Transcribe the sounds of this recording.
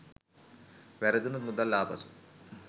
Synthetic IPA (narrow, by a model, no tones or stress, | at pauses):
ʋɛɾɐd̪unut̪mud̪ɐlːaːpɐsu̥